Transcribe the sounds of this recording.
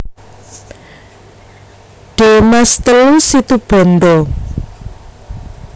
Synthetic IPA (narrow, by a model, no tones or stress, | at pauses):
ɖ̥e̤mast̪əlusit̪ub̥ɔ̤nd̪ɔ